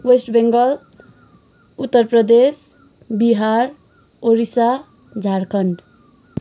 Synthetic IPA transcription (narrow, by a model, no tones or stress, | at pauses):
wesʈbeŋɡʌl | ut̪ːʌrprʌd̪es | biɦaɾ | oɾisa | d͡zʱaɾkʰʌɳɖ